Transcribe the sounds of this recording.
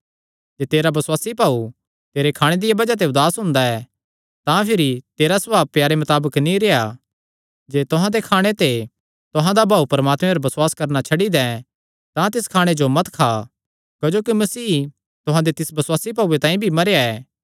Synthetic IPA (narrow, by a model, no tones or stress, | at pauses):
d͡ʒeːt̪eːɾabɐswaːsipaːu | t̪eːɾekʰaːɽ̃ed̪ɪjabɐd͡ʒat̪̬eʊd̪aːsɦʊ̃nd̪aɛː | t̪ãpʰɪɾit̪eːɾasɐbaːb̚pjaːɾemɐt̪aːbəknĩɾeja | d͡ʒeːt̪ʊɦãd̪ekʰaːɽ̃et̪e | t̪ʊɦãd̪abʱaːupɐɾɐmaːt̪mẽpɐɾbɐswaːskɐɾnat͡ʃʰɐɽid̪ɛ̃ | t̪ãt̪ɪskʰaːɽ̃ed͡ʒomɐt̪kʰa | kɐd͡ʒoːkimɐsiː | t̪ʊɦãd̪et̪ɪsbɐswaːsip̬aːuet̪ãːĩbʱimɐɾejaɛː